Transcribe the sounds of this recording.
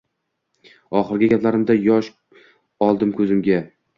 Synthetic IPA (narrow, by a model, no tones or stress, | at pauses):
ɒχɨɾɡʲɪɡʲaplaɾɪmd̪ajɒʃ | ɒlˠd̪ɪmkʰɵzɪmɡʲa